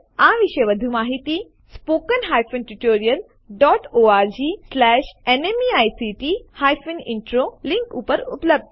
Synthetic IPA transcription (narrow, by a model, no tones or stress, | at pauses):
aʋiʃəjʋəd̪ʱumaːɦit̪i | spoːkənɦaːjfunʈuʈoːɾijəl | ɖɔːʈoːaːɾd͡ʑiːslɛːʃenemiaːjsiʈihaːjfunɪɳʈɾolĩŋkupəɾṵpləb̚d̪̚ʱ